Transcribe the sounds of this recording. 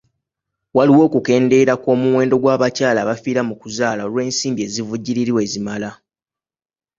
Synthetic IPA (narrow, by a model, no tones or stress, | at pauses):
waliwo̞ːkuke̞ːnde̞ɾako̞ːmuwe̞ːndo̞ɡwaːβacaːlaːβafiːɾamukuzaːlao̞lwe̞ːnsiːmbie̞ːzivuɟːiɾiɾiwe̞ːzimala